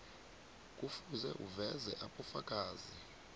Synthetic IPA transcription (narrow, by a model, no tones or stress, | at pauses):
k̬ʼufuzɛʔuvɛzɛʔaɓɔfakʼaːzi